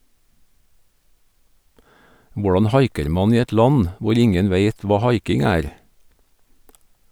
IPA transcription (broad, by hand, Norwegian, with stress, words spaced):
ˈʋʊɖɑn ˈhɑɪkəɾ ˈmɑn ˈiː ˈɛt ˈlɑn ˈʋʊɾ ˈɪŋən ˈʋeɪt ˈʋɑː ˈhɑɪkɪŋ ˈæːɾ